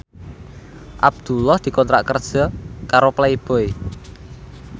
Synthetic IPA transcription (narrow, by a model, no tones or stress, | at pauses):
ʔab̚d̪̥ṳlɔhd̪̥i̤kɔnt̪ɾaʔkərd̥ʒ̥ɔ̤kaɾoplaib̥oj